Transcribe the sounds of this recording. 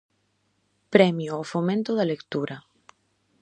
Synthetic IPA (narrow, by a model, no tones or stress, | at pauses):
pɾɛmjoofomẽnt̪oðalekt̪uɾɐ